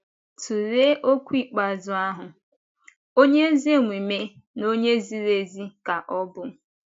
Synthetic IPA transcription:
tu˨ɾe˦ʔo˦kʷi˦˨k͡pa˨zʊ˦a˦ɦʊ˨ | o˦ɲe˦zi˦e˦˨ŋʷi˨me˦ | no˦ɲe˦zi˦ɾe˦zi˦ka˨ʔɔ˦bʊ˦

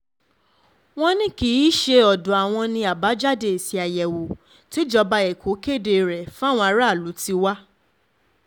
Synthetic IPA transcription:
w̃ɔ̃˦nĩ˦ki˨˦ʃe˧ɔ˨dɔ˨a˨w̃ɔ̃˧nĩ˧a˨ba˨˦d͡ʒa˦de˨si˨˧a˨jɛ˨wo˨ | ti˨˦d͡ʒɔ˧ba˧ɛ˨kʰo˨˦ke˦˨de˧˨ɾɛ˨fũ˦a˦˨w̃ɔ̃˧a˨˧˦ɾa˦˨lu˨˦ti˧wa˦

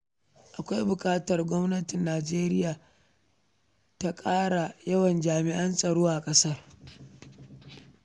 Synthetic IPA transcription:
ʔa˨kʷa˦jbʊ˨kʼaː˦tɐ˨rɡʷɔ˦mnɐ˦tɪ˨nːaː˨d͡ʒeː˦ɾɪ˦jaː˨ | ta˦kʼaː˦ɽa˨jɐ˦wɐ˨nd͡ʒaː˨mɪ˨ʔɐ˦nsʼɐ˨ɽoː˦ʔa˨kʼɐ˦sɐ˦r

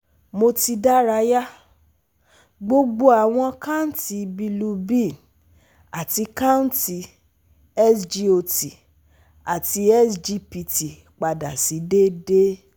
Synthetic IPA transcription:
mo˧ti˧da˦ɾa˧ja˦ | ɡ͡bo˧ɡ͡bo˧a˨w̃ɔ̃˧ka˦n̩˦ti˧bi˧lu˧bĩ˦˨ | a˨ti˧ka˦uñ˦ti˧ | ɛ˦sd͡ʒi˧o˧ti˨ | a˨ti˧ɛ˦sd͡ʒi˧pi˧ti˨ | k͡pa˨da˨si˨˦de˦de˦

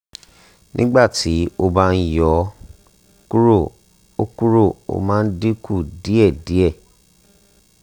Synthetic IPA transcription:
nĩ˦ɡ͡ba˦˨ti˨˦o˧ba˦˧n̩˦jɔ˨˦ | ku˦ɾo˦˨ | o˦ku˦ɾo˦˨o̰˦˨mãː˨˦n̩˦de˦ku˦˨di˨˦ɛ˦˨di˨˦ɛ˦˨

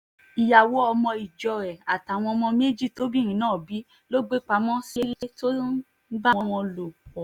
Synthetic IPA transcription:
i˨ja˨wo˨˦ɔ˧mɔ̃˧i˨d͡ʒɔ˨ɾɛ˨a˨ta˨w̃ɔ̃˧mɔ̃˧me˦d͡ʒi˦˨to˨˦bi˦˨ɾ̃ĩ˨˦nãː˦˨bi˨˦ | lo˦ɡ͡be˦k͡pa˧˦mɔ̃˦si˦ɾto˦i˦ | ɡ͡ba˦ɔ˧wɔ̃˧lo˨ɔ˨

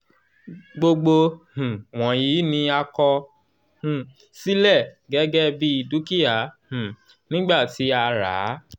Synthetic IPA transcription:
ɡ͡bo˧ɡ͡bo˧h̩˨w̃ɔ̃˨ji˨˦nĩ˧a˧kɔ˧ | h̩˨ | si˦lɛ˦˨ | ɡɛ˦ɡɛ˦bi˦i˧˨du˦ki˦a˦˨h̩˨ | nĩ˦ɡ͡ba˦˨ti˨˦a˧ɾa̰˨˦

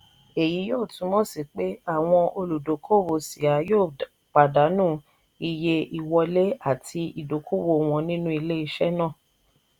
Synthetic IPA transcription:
e˨ji˨˦joː˦˨tũ˧˦mɔ̃˦si˨k͡pe˦a˦˨w̃ɔ̃˧ʔo˧lu˨do˨˦kʰo˦˨wo˧si˨a˨˦joː˦˨ | k͡pa˨da˨˦nũ˦˨ | i˧je˧i˨wɔ˧le˦a˦˨tʰi˧i˨do˨˦kʰo˦wo˧˨w̃ɔ̃˧nĩ˦nũ˦i˧le˦i˧ʃɛ˦nãː˦˨

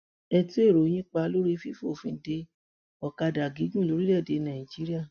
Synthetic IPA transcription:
ɛ˧ti˦e˦˨ɾo˨˦j̃ĩ˦k͡pa˧˦lo˦ɾi˦fi˦fo˦˨fĩ˧˦de˧ | ɔ˨ka˧da˨ɡi˨˦ɡũ˦˨lo˦ɾi˦lɛ˦˨de˨˦nã˨ĩ˨d͡ʒi˨˦ɾi˦a˦˨

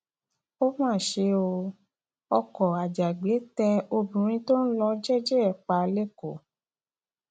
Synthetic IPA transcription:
o˦mãː˦˨ʃe˧o˧ | ɔ˧kɔ˨a˨d͡ʒa˨ɡ͡be˨˦tɛ˧o˧bũ˨ɾ̃ĩ˧˦to˦n̩˦lɔ˧d͡ʒɛ˦d͡ʒɛ˦ɛ˨k͡pa˧le˦ko˨

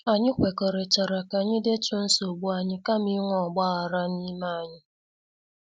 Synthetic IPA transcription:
a˨ɲɪ˦kʷe˨ko˨ɾe˨t͡ʃa˨ɾa˨ka˨ɲɪ˦de˦tʊ˦n̩˦so˨ɡ͡bu˦a˨ɲɪ˦ka˦mi˦ŋʷɔ˨ɡ͡ba˦a˨ɾa˦ni˦ma˦˨a˨ɲɪ˦

